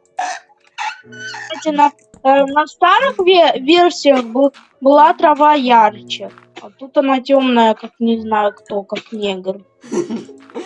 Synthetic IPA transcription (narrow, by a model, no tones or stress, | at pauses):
st̪atʲɪnɐ | nɐst̪aɾɨxvʲvʲe̞rsʲɪjəxbɨ | bɨlˠat̪ɾɐvajaɾɨt͡ɕə | at̪ut̪ɐnatʲomnəjəkaknʲɪznajʊkt̪okaknʲeɡər